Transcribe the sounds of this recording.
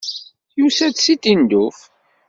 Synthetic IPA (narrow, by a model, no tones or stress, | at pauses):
jusæd̪sit̪ind̪uf